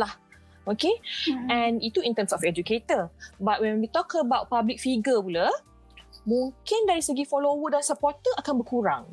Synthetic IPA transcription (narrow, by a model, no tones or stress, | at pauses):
lah | okeɛ̃nit̪uĩnt̪əmsɔfɛd͡ʒuket̪əbat̚wɛ̃nwit̪ɔkʰəbawt̚pablik̚fiɡəpula | mũŋkɪndaɾisəɡifɔlowət̚dansəpɔt̪əʔakanbəkuɾaŋ